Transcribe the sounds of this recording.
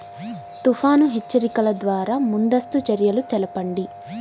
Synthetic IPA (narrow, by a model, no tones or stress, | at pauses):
t̪ufʰaːnuɦet͡ʃːɐɾikɐlɐd̪ʋaːɾaːmund̪ɐst̪ut͡ʃɐɾjɐlut̪ɛlɐpɐɳɖi